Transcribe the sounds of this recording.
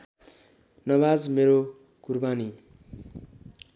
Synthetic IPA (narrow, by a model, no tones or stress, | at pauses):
nʌbad͡zmeɾo | kurbani